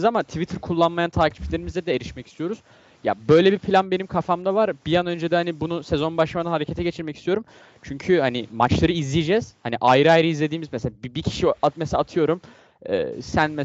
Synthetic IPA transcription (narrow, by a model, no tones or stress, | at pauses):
zamat̪ʰivit̪ʰiɾkʰulˠːanmajant̪ʰaːcʰi̥flʲe̞ɾimizd̪ɛd̪ɛeɾiʃmɛcʰist̪ʰijo̞ɾuz̥ | ja̰bø̞jlʲebipʰlʲanbe̞nimkʰafamd̪avaɾbijanø̞nd͡ʒed̪ɛhanibunusezo̞nbaʃlamaɯnaɦaɾecʰet̪ʰɛɟe̞t͡ʃʰiɾmɛcʰi̥st̪ijo̞ɾum | t͡ʃʰyɲcʰyhanimat͡ʃlˠaɾɯizlʲijed͡ʒɛz̥haniʔajɾɯajɾɯizlʲe̞d̪iːmizmɛs̬elʲabibicʰi̥ʃiamesaaːt̪ʰɯjo̞ɾum | ɛ̰ːsænmɛ